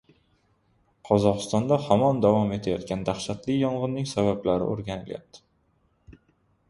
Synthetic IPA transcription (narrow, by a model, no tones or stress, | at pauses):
qʰɒzɒqɨ̥st̪ɒnd̪ahɒmɒnd̪avɒme̞t̪ʰajɒt̪kʲand̪aχʃat̪ʰlɪjɒɴʁɨnːɪŋsabablaɾɪ̰ʔoɾɡʲanɪlja̰p̚t̪ʰɪ̥